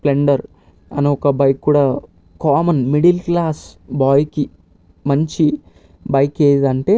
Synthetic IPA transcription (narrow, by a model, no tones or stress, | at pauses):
pleɳɖɐɾ | ɐ̰nuɔkɐbɐjkːuɽɐ | kaːmɐnmiɽilklaːsbaːjki | mɐɲt͡ʃi | bɐjkeːjd̪ɐɳʈe̞ː